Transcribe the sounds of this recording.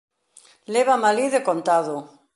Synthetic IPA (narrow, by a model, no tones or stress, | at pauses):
leβamaliðekont̪aðo